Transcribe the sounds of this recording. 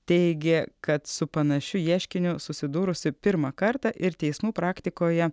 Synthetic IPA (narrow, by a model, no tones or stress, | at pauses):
t̪ʲɛɪɡʲɛkɐt̪sʊpɐnɐʃʲʊjiːʃʲkʲɪnʲʊsʊsʲɪd̪uːɾʊsʲɪpʲɪɾmɐkɐɾt̪ɑʔɪɾt̪ʲɛɪsmuːpɾɑːkt̪ʲɪkoːjɛ